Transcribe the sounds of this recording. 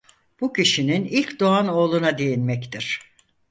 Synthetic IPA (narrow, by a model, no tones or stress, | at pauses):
b̥ucʰiʃininilʲcd̪oano̞ːlˠunad̪ejinmɛct̪ʰiɾ̝̥